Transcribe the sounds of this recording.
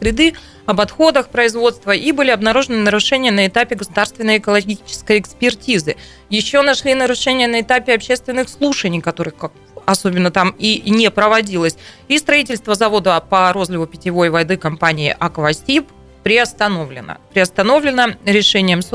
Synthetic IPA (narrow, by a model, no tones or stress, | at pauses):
sɾʲɪd̪ɨ | ɐbɐt̪xo̞d̪əxpɾəɪzvo̞t̪st̪vəʔibɨlʲɪɐbnɐɾuʐɨnɨnəɾʊʂɛnʲɪjənəɪt̪apʲɪɡəsʊd̪arst̪vʲɪnəjɪkəlˠɐɡʲit͡ɕɪ̥skəjɪkspʲɪrtʲizɨ | jɪɕːo̞nɐʂlʲinəɾʊʂɛnʲɪjənəɪt̪apʲɪɐpɕe̞st̪vʲɪnːɨxslˠuʂənʲɪjkɐt̪o̞ɾɨxkak̚ | ɐso̞bʲɪnːət̪aminʲepɾəvɐdʲilˠəsʲ | ist̪ɾɐitʲɪlʲst̪vəzɐvo̞d̪əpəɾo̞zlʲɪvʊpʲɪtʲɪvo̞jvɐjd̪ɨkɐmpanʲɪ̰ːʔɐkvɐsʲip | pːɾʲɪɐst̪ɐnovlʲɪ̰nə̰pɾʲɪɐst̪ɐno̞vlʲɪnəɾʲɪʂɛnʲɪjəms